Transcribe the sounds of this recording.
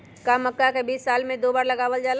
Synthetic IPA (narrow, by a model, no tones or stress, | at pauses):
kaməkːakebiːsːaːlmẽd̪oːbaːɾləɡaːʋəld͡ʒal